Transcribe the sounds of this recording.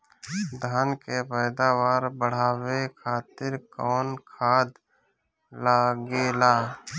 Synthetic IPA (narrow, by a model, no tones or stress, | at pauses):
d̪ʱaːnkepɛːd̪aːwaːɾbəɽ̤aːwekʰaːt̪ɪɾkɔːnkʰaːd̪ | laːɡeːlaː